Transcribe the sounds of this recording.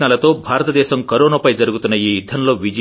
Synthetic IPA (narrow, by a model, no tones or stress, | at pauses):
naːlɐt̪oːbʱaːɾɐt̪ɐd̪ɛːsɐmkɐɾoːnɐpɐjd͡ʒɐɾuɡut̪unːɐiːjud̪ʱːɐnloːʋid͡ʒ